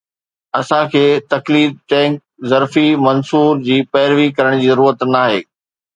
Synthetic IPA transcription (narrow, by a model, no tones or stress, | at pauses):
ɐsãkʰeːt̪ɐkliːd̪̚ʈɛ̃ːŋk | zɐɾfimɐnsuːɾd͡ʑiːpɛːɪɾʋikɐɾəɽ̃d͡ʑiːzɐɾuːɾət̪naːɦeː